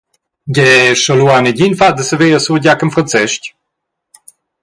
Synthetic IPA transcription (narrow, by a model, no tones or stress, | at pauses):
ɡɛʃɔluanəɟinfad̪əsəveːəsuɟakənfʁant͡sɛʃc